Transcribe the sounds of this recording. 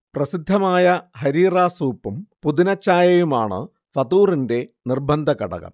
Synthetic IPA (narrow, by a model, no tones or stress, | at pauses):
prɐsid̪ʱːɐmaːjɐhɐɾiːraːsuːpːumpuðinɐt͡ɕːaːjɐjumaːɳɨ̰ | fɐðuːrinde̞nirbʱɐnd̪ʱɐkɐ̰ɽɐ̰ɣɐ̰m